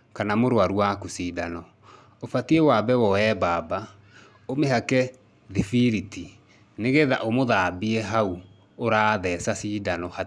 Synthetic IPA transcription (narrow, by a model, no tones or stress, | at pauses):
kanamoɾwaɾuwakusiːdanɔ | ofatiewabɛwɔɛbaːba | omeɦakɛ | ðifiɾiti | neɣeðaʔomoðabiɛɦau | oɾaːðɛsasiːdanɔha